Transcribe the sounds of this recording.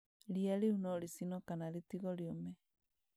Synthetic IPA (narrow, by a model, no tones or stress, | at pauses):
ɾiaɾeunɔɾisinɔkanaɾitiɣɔɾiɔmɛ